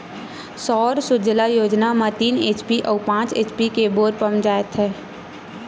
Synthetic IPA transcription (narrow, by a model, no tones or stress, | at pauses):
sɔːɾsʊd͡ʒlajoːd͡ʒnamãt̪iːneːt͡ʃpiʔɔːpãːt͡ʃḛːt͡ʃpikeboːɾpəmd͡ʒaːjt̪ɦɛ̃ː